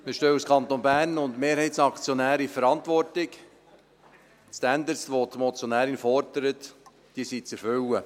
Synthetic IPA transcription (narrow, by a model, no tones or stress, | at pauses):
məʃtøːuskʰɑnt̪onbæːɾnʊndmeːɾhɛɪtsɑkt͡sjɔnæːɾifəɾɑntʋɔrtɪk | stændəɾsʋot̪mɔt͡sjɔnæːɾinfɔɾdəɾət | d̥iːəsit͡sɛɾfʏlə